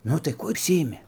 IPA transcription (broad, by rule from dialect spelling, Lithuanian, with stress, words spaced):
ˈnʊ tɐɪ ˈkuɔ ʊʃʲˈsʲɪɪmʲɪ